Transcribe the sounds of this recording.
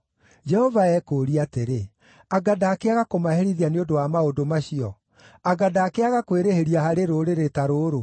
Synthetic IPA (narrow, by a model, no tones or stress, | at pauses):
d͡ʒɛhɔvaɛːkoːɾiateɾe | aɡadaːkeaɣakomaɦeɾiðianeondowamaodomaɕiɔ | aɡadaːkeaɣakweɾeheɾiaɦaɾeɾoɾeɾetaɾoɾo